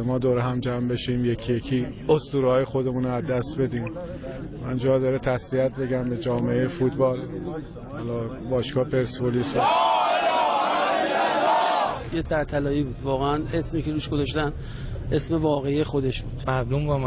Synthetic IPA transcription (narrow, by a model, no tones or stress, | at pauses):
mɒːd̪oːɾɦæmd͡ʒæmbe̞ʃiːmjecʰijekʰiost̪uːɾhɒːjexo̞d̪e̞muːnoæzd̪æst̪be̞d̪iːm | mænd͡ʒɒːd̪ɒɾet̪ʰæsviæt̪̚ʰbe̞ɟæmbed͡ʒɒːmeejefut̪bɒːl | hɒlɒ | bɒːʃkʰɒːpʰeɾsboliso | jesæɾt̪ʰælɒːiːbuːd̪vɒːɣeæne̞smiːce̞ɾuːʃɡozɒʃ̬t̪æn | e̞sme̞vɒːɣeijexod̪e̞ʃbuːd̪̥mæɾd̪ombɒm